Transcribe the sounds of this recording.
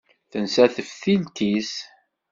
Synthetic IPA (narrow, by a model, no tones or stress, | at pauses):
θənsæθəfθilt̪is